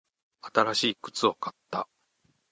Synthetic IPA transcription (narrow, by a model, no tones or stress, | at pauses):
at̪aɾaɕiːkɯ̟̥t͡sɨo̞kat̪ːa̰